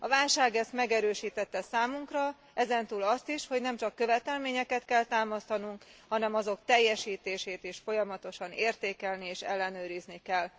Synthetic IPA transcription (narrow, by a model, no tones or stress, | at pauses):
ɒvaːlʃaːɡɛst̪mɛɡɛɾøːʃiːt̪ɛt̪ːɛsaːmuŋkrɒ | ʔɛzɛnt̪uːlɒst̪iʃho̞ɟnɛmt͡ʃɒkːø̞vɛt̪ɛlmeːɲɛkɛt̪kɛlt̪aːmɒst̪ɒnuŋkhɒnɛmɒzo̞kt̪ɛjːɛʃiːt̪eːʃeːt̪iʃfo̞jɒmɒt̪o̞ʃɒneːrt̪eːkɛlnieːʃɛ̰lːɛnøːɾiznikɛl